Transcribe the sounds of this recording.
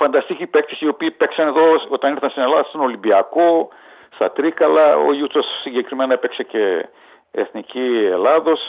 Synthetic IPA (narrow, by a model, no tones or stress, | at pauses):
fɐnd̪ɐst̪icipekt̪isio̞piːpeksɐneðoot̪ɐniɾθɐnst̪inelɐðɐsst̪ɐnolimbiɐko | st̪ɐt̪ɾikɐlɐo̰jut̪osːiɲɟekɾimenɐepekse̞ce | ḛθnicielaðo̞s